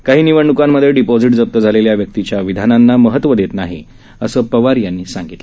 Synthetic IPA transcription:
kaɦiːniʋəɳːukamːəd̪ʱːjeɖipɔd͡ziʈd͡zəp̚t̪əd͡zʱaleljaʋjək̚t̪it͡ɕjaʋid̪ʱananːaməɦət̪ːʋəd̪et̪naɦḭ | əsəːpəʋaɾjanːiːsãŋɡit̪l

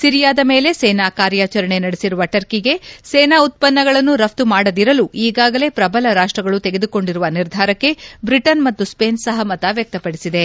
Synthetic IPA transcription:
siɾijaːd̪ɐme̞ːle̞seːnaːkaːɾjaːt͡ʃɐɾɐɳe̞nɐɽesiɾuʋɐʈɐɾkiɡe̞seːnaːut̪̚pɐnːɐɡɐɭɐnːuɾɐft̪umaːɽɐd̪iɾɐluiːɡaːɡɐle̞pɾɐbɐlɐɾaːʂʈɾɐɡɐɭut̪e̞ɡed̪uko̞ɳɖiɾuʋɐniɾd̪ʱaːɾɐkːe̞bɾiʈɐnmɐt̪ːuspe̞ːnsɐɦɐmɐt̪aʋjɐk̚t̪ɐpɐɽisid̪e̞

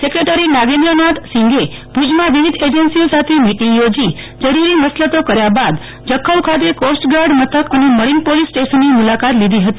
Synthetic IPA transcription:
sekɾeʈəɾinaɡẽnd̪ɾənat̪sĩŋɡebud͡ʒmãʋiʋid̪ʱed͡ʒənsiosat̪ʰemiʈiŋɡjod͡ʒi | d͡ʒəɽiɾiməslət̪okəɾjabad̪ | d͡ʒəkʰːəlkʰat̪ekosʈɡaɾɖmət̪ʰəkəneməɾinpolisːʈeʃənːimulakat̪lid̪ʱiɦət̪i

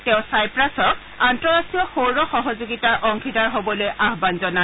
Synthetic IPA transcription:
tɛʊ̃sajpɹasɔk̚ | antɔɹasiɔxowɹɔxɔɦɔzoɡitaʔɔŋxʰidaɹɦobɔlojʔaɦbanzɔna

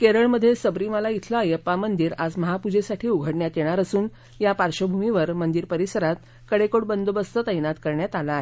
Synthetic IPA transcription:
keɾəɭməd̪ʱːjesəbɾiməlait̪ʰlajəpamənd̪iːɾad͡zməɦapud͡ʑesaʈʰiːuɡʱəɽɳjat̪jeɽ̃aɾəsuːn | japaɾɕəbʱumiʋəɾmənd̪iːɾpəɾisəɾat̪̚ | kəɽekoʈ̚bənd̪obəst̪ət̪əjnat̪kəɾɳjat̪alaːɦe

